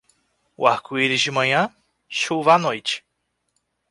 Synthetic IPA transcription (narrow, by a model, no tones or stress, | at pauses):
ʊ̰aɾkuiɾɪzd͡ʒɪmɐ̃ɲɐ̃ | ʃuvɐanojt͡ʃɪ̥